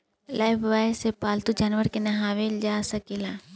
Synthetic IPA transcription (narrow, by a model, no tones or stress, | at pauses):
laːjbʋaːesepaːlt̪ud͡ʒaːnʋəɾkenɐɦaːʋeld͡ʒaːsɐkilaː